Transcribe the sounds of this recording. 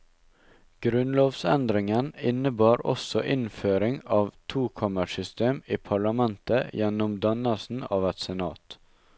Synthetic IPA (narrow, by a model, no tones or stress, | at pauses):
ɡ̥ɾʉnloːʋsɛ̰nd̪ɾɪŋənɪnəbɑːɾɔ̰sɔʔɪnføːɾɪŋɑːʋt̪ʰuːkʰɑməʃʏst̪eːmiːpʰɑɭɑmɛnt̪əjɛnʊmd̪ɑnəsn̩ɑːʋɛt̪sɛnɑ̰ːt̪